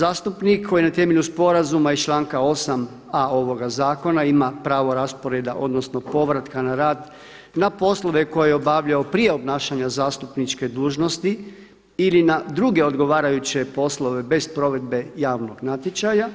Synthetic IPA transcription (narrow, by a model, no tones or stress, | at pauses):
zaːst̪upnikʰːo̞jinat̪e̞meʎuspo̞ɾazumait͡ʃlˠaːŋkaosam | ao̞ʋo̞ɡazaːko̞naimapɾaːʋo̞ɾaspo̞ɾe̞d̪aʔo̞d̪nosno̞po̞ʋɾat̪kanaɾaːd̪ | napo̞slo̞ʋe̞ko̞jejeo̞baʋʎaopɾije̞o̞bnaːʃaɲazaːst̪upnit͡ʃke̞d̪uːʒno̞st̪i | ilinad̪ɾuɡe̞o̞d̪ɡo̞ʋaːɾajut͡ɕe̞po̞slˠo̞ʋe̞be̞spɾo̞ʋe̞d̪̚be̞jaːʋno̞ɡnat̪jet͡ʃaja